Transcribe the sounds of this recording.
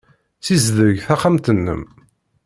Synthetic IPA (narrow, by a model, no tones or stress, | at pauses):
θizðəʝθæχamt̪ənːə̰m